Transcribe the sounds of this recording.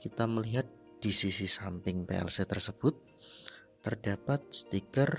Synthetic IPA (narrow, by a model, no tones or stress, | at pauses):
kit̪aməliɦat̪̚ | d̥isisisampɪŋpḛɛ̰lset̪ərsəb̥ʊt̪ː | ərdapat̪̚sə̥t̪ikər